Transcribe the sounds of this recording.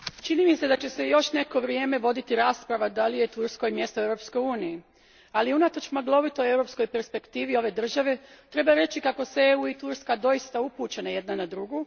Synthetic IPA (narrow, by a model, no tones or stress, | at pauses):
t͡ʃiniːmise̞d̪at͡ɕe̞se̞jo̞ʃne̞ko̞ʋɾije̞ːme̞ʋo̞d̪it̪iɾaːspɾaʋad̪alije̞t̪uɾsko̞jmje̞st̪oewɾo̞p̪sko̞juːniji | aliunat̪o̞t͡ʃmaɡlˠo̞ʋit̪ojewɾo̞psko̞jpe̞ɾspe̞kt̪iːʋio̞ʋe̞d̪r̩ʒaʋe̞t̪ɾe̞baɾe̞t͡ɕikako̞seuːit̪uɾskad̪o̞jist̪aupuːt͡ʃenaje̞d̪nanad̪ɾuɡu